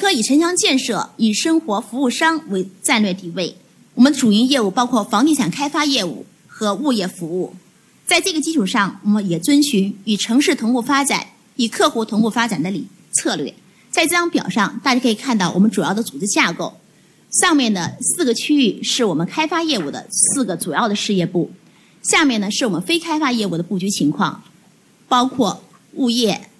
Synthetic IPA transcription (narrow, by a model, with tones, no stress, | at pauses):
kʰɤ˧˥i˨˩ʈ͡ʂʰə˧˥ŋɕjɑ˥ŋt͡ɕjɛ˥˧nʂɤ˥˩y˨˩ʂɤ˥ŋxwɔ˧˥fu˧˥u˥˩ʂɑ˥ŋwe˧˥ɪʈ͡ʂa˥˧nlɥjɛ˥˧t̪i˥˩we˥˩ɪ | wɔ˨˩mə˦nʈ͡ʂu˨˩i˧˥ŋjɛ˥˧u˥˩pɑ˥ʊkʰwɔ˥˩fɑ˧˥ŋt̪i˥˩ɕʰjɑ˨˩ŋkʰa˥ɪfa˥jɛ˥˧ṵ˥˩ | xɤ˧˥u˥˧jɛ˥˩fu˧˥u˥˩ | t͡sa˥˧ɪʈ͡ʂɤ˥˩ɡə˩t͡ɕi˥ʈ͡ʂʰu˨˩ʂɑ˥˩ŋwɔ˨˩mə˦njɛ˨˩t͡swə˥nɕy˧˥ny˨˩ʈ͡ʂʰɤ˧˥ŋʂɻ̩˥˩t̪ʰʊ˧˥ŋku˥˩fa˥ʈ͡ʂa̰˨˩˦n | y˨˩kʰɤ˥˧xu˧˥˩t̪ʰʊ˧˥ŋku˥˩fa˥ʈ͡ʂa˨˩nd̪ə˦lḭ˨˩ | t͡sʰɤ˥˧lɥɛ̰˥˩ | t͡sa˥˧ɪʈ͡ʂɤ˥˩ɑ˥ŋpjɑ̰˨˩ʊʂɑ˥˧ŋt̪a˥˩t͡ɕa˧˥kʰi˨˩kʰa˥˧nt̪ɑ˥˩ʊwɔ˨˩mə˦nʈ͡ʂu˨˩jɑ˥˩ʊd̪ə˩t͡su˨˩ʈ͡ʂɻ̩˥˧t͡ɕja˥˧ko˥˩ʊ | ɕjɑ˥˧mjɛ˥˩nd̪ə˩sɹ̩˥˩ɡə˩t͡ɕʰy˥y˥˧ʂɻ̩˥˩wɔ˨˩mə˦nkʰa˥ɪfa˥jɛ˥˧ṵ˨˩d̪ə̰˦sɹ̩˥˩ɡə˩t͡su˨˩jɑ˥˩ʊd̪ə˩ʂɻ̩˥˧jɛ˥˧pu˥˩ | ɕja˥˧mjɛ˥˩nnə˩ʂɻ̩˥˩wɔ˨˩mə˦nfe˥ɪkʰa˥ɪfa˥jɛ˥˧u˥˩d̪ə˩pu˥˩t͡ɕy˧˥t͡ɕʰi˧˥ŋkʰwɑ̰˥˧ŋ | pɑ˥ʊkʰwɔ˥˧ | u˥˧jɛ˥˩